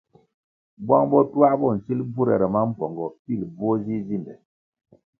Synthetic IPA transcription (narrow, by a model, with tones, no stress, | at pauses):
bwa˦ŋbɔ˦tu˦a˦bɔ˦˨n̩˨si˦lbu˦ɾɛ̰˨ɾɛ˨ma˦m̩˦pɔ˨ŋɡɔ˨pi˦˨lbɔ˦zi˦zi˦˨ndɛ˨